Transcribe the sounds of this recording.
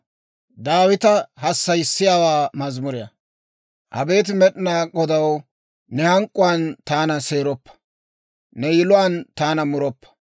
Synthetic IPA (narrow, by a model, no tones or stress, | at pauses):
d̪aːwɪt̪ɐhɐsːɐjɪsːɪjaːwaːmɐzmʊɾɪjɐ̰ | hɐ̰be̞ːt̪̬ɪmɛɗɪnaːɡɔd̪ɐw | nɛhɐŋkʼːʊwaːnt̪aːnɐse̞ːɾɔpːɐ̥ | nɛjɪlʊwaːnt̪aːnɐmʊɾɔpːɐ̥